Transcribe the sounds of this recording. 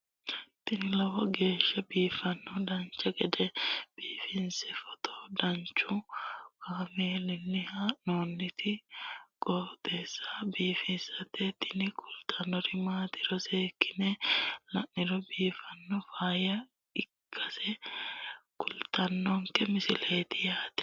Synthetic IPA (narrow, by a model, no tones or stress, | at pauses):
t̪ɪnɪlɐwɐɡe̞ːʃːɐbiːfɐnːɔd̪ɐɲt͡ʃːɐkʼɛd̪ɛb̥iːfɪnsɛfɔ̥t̪ʰɔ̥d̪ɐɲt͡ʃukameːlɪnːɪhanoːnːɪt̪ʰɪɡ̥ɔːt̪eːsːabiːfɪnsɐt̪et̪ɪ̥nɪkʰʊlt̪ʰɐnːɔɾɪmaːt̪ɪ̥ɾɔseːkːɪnɛlɐnɪɾɔbiːfɐnːɔfaːjɐ | ɪkʰːɐsɛ | kʊlt̪ɐnːɔŋkɛmɪsɪleːt̪ɪjaːt̪ɛ̥